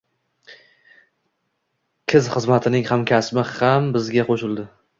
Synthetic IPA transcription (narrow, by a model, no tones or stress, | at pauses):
kʲʰɪzχɨzmat̪ʰɪnɪŋhamkʲʰasmɪhambɪzɡʲaqʰoʃɪlˠd̪ɪ